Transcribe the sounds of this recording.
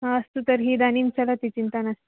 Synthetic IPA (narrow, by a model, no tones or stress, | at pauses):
ɦãəst̪ut̪əɾɦiːd̪aniːnt͡ɕəlat̪it͡ɕint̪anas